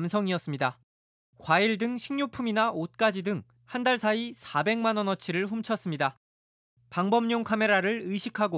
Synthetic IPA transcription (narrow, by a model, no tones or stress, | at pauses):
msʰʌŋiʌs͈ɯmɲida | kwaiɭdɯŋɕʰiŋɲupʰuminaʔot̚k͈ad͡ʑidɯŋ | handaɭsʰaisʰabe̞ŋmanʌnʌt͡ɕʰiɾɯɭɸumt͡ɕʰʌs͈ɯmɲida | paŋbʌmɲoŋkʰame̞ɾaɾɯɭɯjɕʰikʰaɡo